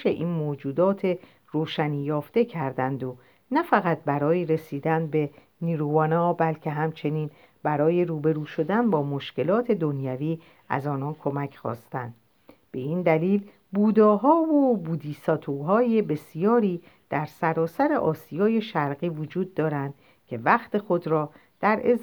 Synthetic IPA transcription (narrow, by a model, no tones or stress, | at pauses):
ʃḛʔiːnmoːd͡ʒuːd̪ɒːt̪ʰe̞ | ɾoːʃænijɒːft̪e̞cʰæɾd̪ænd̪o | næfæɣæt̪̚bæɾɒːjeɾe̞siːd̪ænbe̞ | niːɾuːvɒːnɒːbælcʰe̞ɦæmt͡ʃʰe̞niːn | bæɾɒːje̞ɾuːbe̞ɾuːʃo̞d̪ænbɒːmo̞ʃce̞lɒːt̪ʰe̞d̪o̞njæviː | æ̰zɒːnɒːnkʰo̞mæcʰxɒ̰ːst̪ænd̪̥ | b̥e̞iːnd̪æliːl | buːd̪ɒːɦɒːvobuːd̪iːsɒːt̪ʰuɦɒːje̞be̞sijɒːɾiː | d̪̥æɾsæɾɒːsæɾe̞ʔɒːsijɒːje̞ʃæɾɣiːvod͡ʒuːd̪ːɒːɾænd̪̥ | cʰe̞væxt̪e̞xo̞d̪ɾɒː | d̪̥æɾez